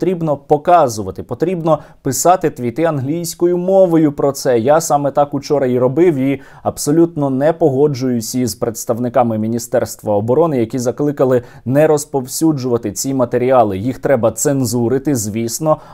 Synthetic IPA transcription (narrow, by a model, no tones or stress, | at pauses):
t̪ɾʲibnɔpɔkɑzʊʋɐt̪ɪpɔt̪ɾʲibnɔ | pɪsɑt̪ɪt̪ʋʲit̪ɪɐnɦlʲijsʲkɔjʊmɔʋɔjʊpɾɔt̪sɛjasɑmɛt̪ɑkʊt͡ʃɔɾɐiɾɔbɪwi | ɐbsɔlʲut̪nɔnɛpɔɦɔd͡ʒʊjʊsʲizpɾet̪st̪ɐwnɪkɑmɪmʲinʲist̪ɛrst̪ʋɐɔbɔɾɔnɪjɐkʲizɐklˠɪkɐlˠɪ | nɛɾɔspɔwsʲud͡ʒʊʋɐt̪ɪt͡sʲimɐt̪eɾʲiɑlˠɪjixt̪ɾɛbɐt̪senzuɾɪt̪ɪzʲʋʲisnɔ